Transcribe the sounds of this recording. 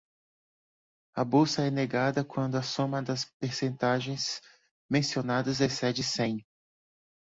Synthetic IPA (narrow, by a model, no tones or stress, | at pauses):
ɐbowsɐɛneɡad̪ɐkwɐ̃nd̪ʊɐsõmɐd̪ɐspeɾsẽnt̪aʒẽj̃s | mẽsionad̪ɐzesɛd͡ʒɪsẽj̃